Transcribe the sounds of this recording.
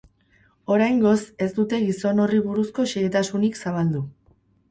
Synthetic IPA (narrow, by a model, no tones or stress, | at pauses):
o̞ɾajŋɡo̞se̞st̪ut̪e̞ɣiso̞no̞riβuɾusko̞ʃeɣet̪asuniksaβ̞ald̪u